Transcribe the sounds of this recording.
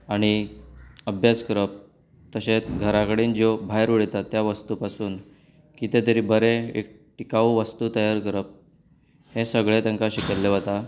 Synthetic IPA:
aɽ̃i | əbʱjaskəɾəp̚ | t̪əɕet͡sɡʱəɾakəɽiːnd͡zobʱajɾuɽet̪at̪ːjaʋəst̪upasuːn | kit̪et̪̬əɾiːbəɾeḛk̚ | ʈikaʋuʋəst̪uːt̪əjaɾkəɾəp̚ | hẽsəɡɭet̪ə̃ŋkaɕiket̪leʋət̪a

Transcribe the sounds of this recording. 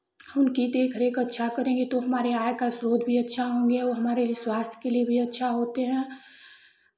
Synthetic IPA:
hʊnkit̪eːkʰəɾeːkɐtːʃʰakəɾẽːŋɡet̪oɦɐmaːɾeaːjkasɾoːd̪bʱiɐtːʃʰaɦõːŋ̆ɡeoɦɐmaːɾelieswaːst̪ʰjkelijebʱiɐtːʃʰaɦoːt̪eɦɛ̃ː

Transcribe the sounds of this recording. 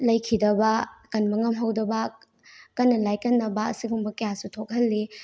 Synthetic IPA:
lɐjkʰidɐbɐkɐnmɐŋɐmɦɐwdɐbɐ | kɐnːɐlajkɐnːɐbɐɐsiɡumbɐkɐjasutʰok̚hɐlːi

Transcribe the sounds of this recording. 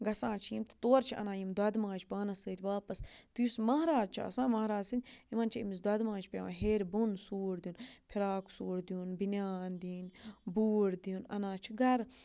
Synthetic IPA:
ɡɐsãːt͡ʃʰijimt̪ɐ̥t̪oːɾt͡ʃʰiʔɐ̰nãːjimd̪ɐd̪mãːt͡ʃʰʲbaːnɐsəːt̪ʲʋaːpɐst̪ujusmɐɦɾaːd͡ʒt͡ʃʰiɐ̰sãːmɐɦɾaːd͡ʒsinʲimɐnt͡ʃʰiimis̬d̪ɐd̪mãːt͡ʃʰʲpʲaʋɐɦeːɾbunsuːɽd̪iunpʰiɾaːksuːɽd̪ijunbinjaːnd̪iːnbuːɽd̪iunɐ̰nãːt͡ʃʰiɡɐɾ

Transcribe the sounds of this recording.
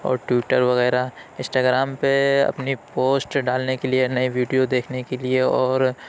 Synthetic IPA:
ɔ̰ːɾʈʋɪʈəɾʋɐɣɛːɾaɪ̃nsʈaːɡɾaːmpeɐ̰pnipoːsʈɖaːlnekelienɐiʋiːɖijod̪eːkʰnekelieɔːɾ

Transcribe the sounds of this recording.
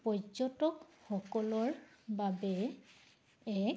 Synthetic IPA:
pɔd͡ʒɔtɔkxɔkɔlɔɹbabɛ | ɛ

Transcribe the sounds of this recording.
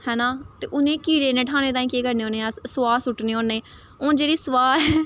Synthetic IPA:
hɛːnãːt̪eːʔʊnẽːkiːɽeːnẽːʈʰaːñẽːt̪ãːĩːkeːkəɾneːoːneːãːsəʋaːsʊʈneːõːnːeː | õːd͡ʒeːɾiːsʊʋaːɾɛ

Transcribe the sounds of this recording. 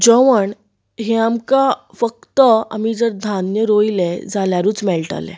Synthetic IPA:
d͡ʑəʋəɳ | ɦeamka | fəkt̪əa̰mid͡zəɾd̪ʱanjəɾoiled͡zaljaɾuːt͡smɛlʈa̰lɛ̰̃

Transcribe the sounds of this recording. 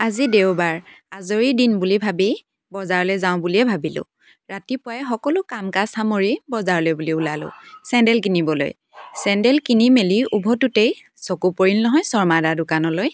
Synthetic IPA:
azidewbaɹazoɹidinbulibʱabi | bɔzaɹlɔjzaʊ̃buliɛbʱabilʊ̰̃ | ɹatipʊajxɔkɔlʊkamkasamoɹibɔzaɹlɔjbuliulalʊ̰̃sɛndɛlkinibɔlo̰j | sɛndɛlkinimeliubʱɔtutej | sɔkupoɹilnɔɦɔjsɔɹmadadʊkanɔloj

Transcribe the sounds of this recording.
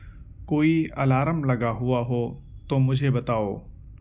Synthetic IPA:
koːiɐlaːɾəmlɐɡaɦʊaɦot̪omʊd͡ʒʱebɐt̪aːoː

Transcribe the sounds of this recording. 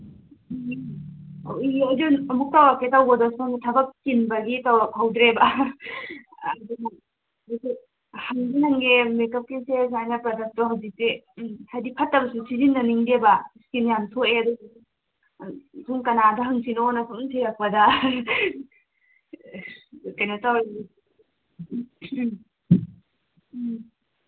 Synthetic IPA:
oɐwd͡ʒiɐmuk̚tawaketawɡɐdɔsuaŋitʰɐbɐp̚kinbɐɡitawhʰawdɾebɐ | dunɐ | si | hɐŋɡinɐŋɡemekɐp̚kinsesajnɐpɾɐdɐk̚tɔɦawzik̚ti | hajdipʰɐtːɐbɐsusizinːɐniŋdebɐskinijamsʰoʔeɐdus | sʰuŋkɐnadɐɦɐŋsinonɐpʰumsʰeɾɐk̚pɐdɐ | kɐjnɐtawe

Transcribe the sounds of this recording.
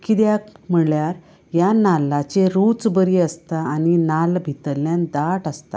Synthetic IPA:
kid̪jakm̤əɭjaɾ | janalːat͡ɕeɾut͡sbəɾiːəst̪aːninalbʱit̪əlːjãnd̪aʈəst̪a̰

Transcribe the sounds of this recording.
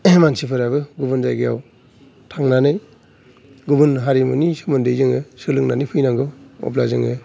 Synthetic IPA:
mansipʰɯɾabɯɡubɯnzajɡɯja̰w | tʰaŋnanɯj | ɡubɯnɦaɾimɯnisɯmɯndɯjzɯŋɯsɯlɯŋnanipʰɯjnaŋɡɯɔ̰pla̰zɯŋɯ

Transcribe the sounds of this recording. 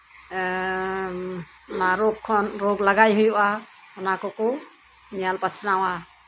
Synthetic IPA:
naɾɔkʰːɔnɾɔɡlaɡajɦujuʔa | ɔnakɔkɔ | nijalpat͡ʃʰnawa

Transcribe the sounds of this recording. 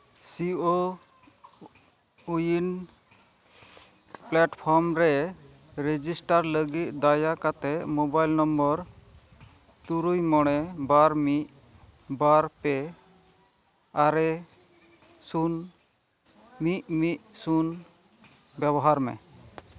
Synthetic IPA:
sio | ujin | plɛʈpʰɔɾmɾɛ | ɾed͡ʒisʈaɾləɡit̪̚d̪ajakat̪ɛʔmɔbajlnɔmbəɾ | t̪uɾujmɔɽ̃ɛbaɾmit̚ | baɾpɛ | aɾɛ | sun | miʔ̚miʔ̚sun | bɛbɔɦaɾmɛ̰

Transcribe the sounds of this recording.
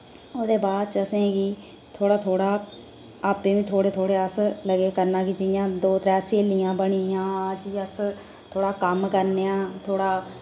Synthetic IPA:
oːd̪eːbaːd̪̚t͡ʃəsẽːɡiː | t̪ʰoːɽaːt̪ʰoːɽaː | aːpẽːʋĩːt̪ʰoːɽeːt̪ʰoːɽeːəsləɡeːkəɾnãːkiːd͡ʒɪjãːd̪oːt̪ɾɛːseːlɪjãːbəɽ̃iãːd͡ʒiːəs | t̪ʰoːɽaːkəmkəɾneːãːt̪ʰoːɽaː

